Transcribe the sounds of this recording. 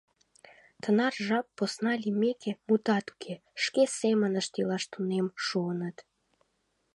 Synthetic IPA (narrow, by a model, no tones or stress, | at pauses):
t̪ənɑrʒɑpːosnɑlʲimekʰemut̪ɑt̪u̥kʰeʃkesemənəʃt̪ilɑʃt̪unemʃuənət̪